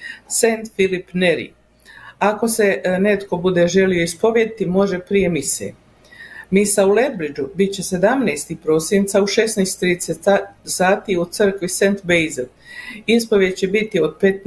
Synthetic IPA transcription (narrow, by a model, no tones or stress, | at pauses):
sent̪filipneɾḭ | ako̞se̞ne̞t̪ko̞bud̪e̞ʒe̞lijo̞ispo̞ʋjed̪it̪imo̞ʒepɾije̞misḛ | misaule̞d̪bɾid͡ʒubit̪̚t͡ɕe̞se̞d̪amneːst̪ipɾo̞ːsint̪sauʃe̞snejst̪t̪ːɾiːd̪esesaːt̪iut̪sr̩kʋisent̪bejze | ispoʋjed̪t͡ɕebit̪io̞d̪̚pet̪